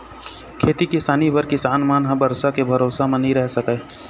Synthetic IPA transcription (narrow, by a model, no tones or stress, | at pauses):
kʰeːt̪ikɪsaːnibəɾkɪsaːnmaːnɦãbɐɾsakebʱɐɾoːsamẽnɦĩɾɛɦsɐkeː